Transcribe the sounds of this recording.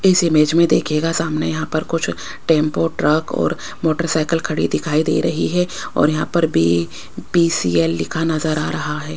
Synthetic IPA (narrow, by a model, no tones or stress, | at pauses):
ɪsɪmeːd͡ʒmẽd̪eːkʰeːɡasaːmnejɐɦãpɐɾkʊt͡ʃʰ | ʈẽːmpoʈɾɐkɔ̰ːɾ | moːʈəɾsaːɪkəlkʰɐɽḭd̪ɪkʰaːid̪ḛːɾɐɦiɦɛ | ɔ̰ːɾjɐɦãpɐɾbʱi | piːsiːɛːlːɪkʰanɐzəɾa̰ːɾɐɦaɦɛː